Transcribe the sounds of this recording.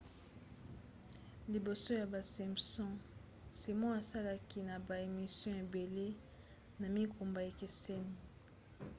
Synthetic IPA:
li˨bo˨so˦ja˨ba˨sɛ̃˨m˨sɔ̃˦ | si˨mɔ̃˦a˨sa˦la˦ki˦na˨ba˨e˨mi˨sjɔ̃˦e˨be˨le˦ | na˨mi˦ko˨mba˨e˨ke˨se˦ni˨

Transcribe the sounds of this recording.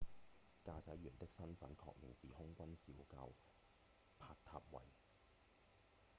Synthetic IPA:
kaː˧sɐ˨˥jːyː˨˩nt̪ɪ˥k̚sɐ˥nfɐ˨˥nkʰɔ̰ː˧k̚jɪ˨˩ŋsiː˨hʊ˥ŋkʷɐ˥nsiː˨˥wka̰ː˧w | pʰaː˧˥t̚t̪ʰaː˧p̚wɐ̰˨˩j

